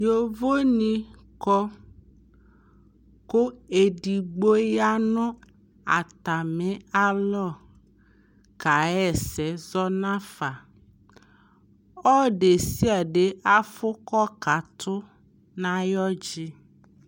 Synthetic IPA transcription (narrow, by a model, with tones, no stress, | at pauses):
jo˨vo˦nĩ˦ | kɔ˦ | ko˦e˨di˨ɡ͡bo˦ja˦nʊ̃˦ | a˨t̪a˨mɪ̃˦a˦lɔ˦˨ | ka˨ɛ˨sɛ˨˦zɔ˦nã˦fa˨ | ɔ˦ɖe˨si˦a˨ɖe˨a˦fʊ˦kɔ˦ka˨t̪ʰʊ˦ | nã˦jɔ˦d͡ʒɪ˦